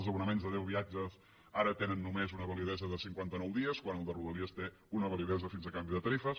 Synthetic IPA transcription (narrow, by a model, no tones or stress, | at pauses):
zəβunəmenzðəðɛwβiad͡ʒəz | aɾət̪enənːumezunəβəliðɛzəðəsiŋkwant̪ənɔwðiəskwanəlˠd̪əruðəliəst̪e | unəβəliðɛzəfinzəkambiðət̪əɾifəs